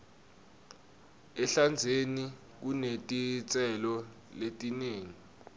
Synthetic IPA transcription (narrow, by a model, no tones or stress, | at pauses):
ɛɬand͡zʱeni | k̬unetʼit͡sʼɛlɔ | letʼineːŋi